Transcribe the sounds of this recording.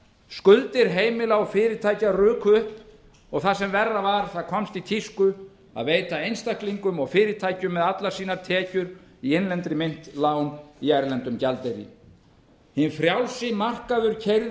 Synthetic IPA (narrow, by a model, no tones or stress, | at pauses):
skʏlt̪ɪɾɦeːjmɪlaɣɔfɪːɾɪt̪ʰaːjcarʏːkʰʏhp | ɔɣθasɛmvɛrːavaɾ̥θaðkʰɔmst̪it̪ʰiskʏ | a̰ðveːjt̪aejnst̪ahkliŋkʏmɔɣfɪːɾɪt̪ʰaːjcʏmːɛðat̪lasiːnaɾ̥t̪ʰɛːcʏɾiɪnlɛnt̪ɾɪmejn̥t̪laːwniajɾlɛnt̪ʏmcalt̪eɾḭ | hɪnfɾjawlsɪmar̥kaðʏɾcʰejɾ